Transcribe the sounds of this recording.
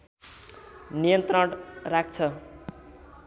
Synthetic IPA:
nijʌnt̪rʌɽrak̚ʰt͡sʰʌ

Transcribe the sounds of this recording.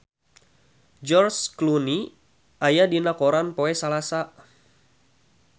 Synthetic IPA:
d͡ʒɔrskluni | ʔajadinakoɾanpoɛsalasa

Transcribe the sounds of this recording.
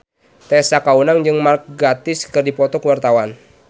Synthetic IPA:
t̪ɛsakaunaŋd͡ʒɨŋmark̚ɡat̪ɪskɨrdipɔt̪ɔkəwart̪awan

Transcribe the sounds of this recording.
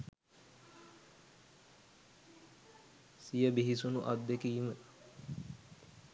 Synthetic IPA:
sijəbiɦisunuʔad̪ːekiːimə

